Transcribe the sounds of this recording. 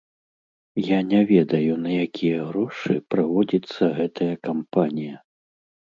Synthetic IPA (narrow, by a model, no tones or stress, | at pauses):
janʲɛvʲɛd̪ɐjunɐjakʲʰijɐɣɾɔʂɨpɾavɔd͡zʲit̪sːɐɣɛt̪ʰɐjɐkampanʲijɐ